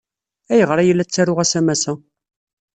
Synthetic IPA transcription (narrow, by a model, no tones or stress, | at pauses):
æjəʁɾˤajəlːæt͡sːæɾʊʁæsæmæsæ